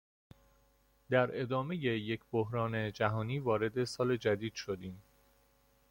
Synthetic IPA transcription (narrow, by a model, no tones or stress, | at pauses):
d̪æɾe̞d̪ɒːme̞je̞jecʰboɦɾɒːne̞d͡ʒæɦɒːniːvɒːɾe̞d̪e̞sɒːle̞d͡ʒæd̪iːd̪̥ʃod̪iːm